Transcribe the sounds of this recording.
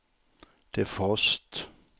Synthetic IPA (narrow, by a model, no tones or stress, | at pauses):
d̪̥efɔst̪